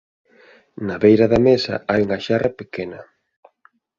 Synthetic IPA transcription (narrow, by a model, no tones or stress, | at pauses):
naβejɾɐðɐmesɐ̰ajuŋɐʃarɐpekenɐ